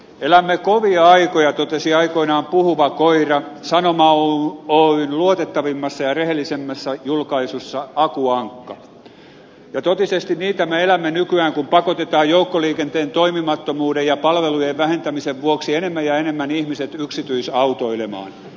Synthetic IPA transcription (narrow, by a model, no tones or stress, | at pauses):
elæmːekoʋiɑɑikojɑt̪ot̪esiɑikoinɑːmpuhuʋɑkoirɑsɑnomɑooinluot̪et̪ːɑʋimːɑsːɑjɑrehelːˑisemːæsːɑjulkɑisusːɑɑkuɑŋkːɑ | jɑt̪ot̪isest̪inniːt̪æmeelæmːenykyæːŋkumpɑkot̪et̪ɑːjjoukːoliːkent̪eːnt̪oimimɑt̪ːomuːdejjɑpɑlʋelujeʋʋæhent̪æmiseʋʋuoksienemːæjjɑenemːænihmiset̪yksit̪yisɑut̪oilemɑ̰ːn